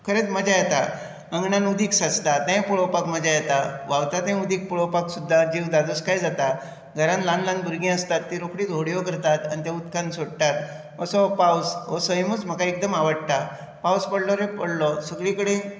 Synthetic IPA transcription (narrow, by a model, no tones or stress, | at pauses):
kʰəɾet͡s̪məd͡zajet̪a | əŋɡɳanud̪ʱiːksat͡st̪at̪ãjpuɭɔpakməd͡ʑajɛt̪aʋaʋt̪at̪ẽud̪ʱiːk̚puɭopaksud̪ʱːad͡ʑiʋd̪ad̪oskajd͡zat̪a | ɡʱəɾãnlanlãnd̪uɾɡĩəst̪at̪ːiɾokɽiːd̪ʱoɽjɔkəɾt̪at̪a̰nit̪aut̪kãnsoɽt̪at̪ | əsɔpawsɔsəjmut͡sm̤əkaek̚d̪əmaʋəɽt̪a | pawspəɽlɔɾepəɽlɔsəɡɭikəɽe